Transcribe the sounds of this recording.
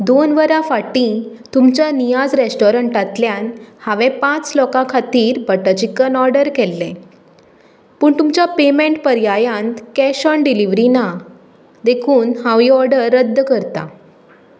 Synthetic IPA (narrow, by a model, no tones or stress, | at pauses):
d̪onʋəɾãfaʈĩ | t̪umt͡ɕjanijad͡zɾesʈɔɾəɳʈat̪ljãnhaʋɛ̃pãt͡slɔkãkʰat̪iːɾbəʈəd͡ʑikənɔɾɖəɾkɛlːɛ̃ | pəːɳt̪umt͡ɕjapemẽɳʈpəɾjajãnt̪kɛɕɔɳɖiliʋɾina | d̪ekʰuːnhãʋiɔɾɖəɾːəd̪ʱːkəɾt̪a̰